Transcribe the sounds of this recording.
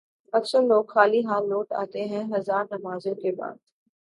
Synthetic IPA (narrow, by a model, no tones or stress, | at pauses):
ɐksəɾloːkxaːliɦaːlːoːʈa̰ːt̪eɦɛ̃ɦɐzaːɾnɐmaːzõkeba̰ːd̪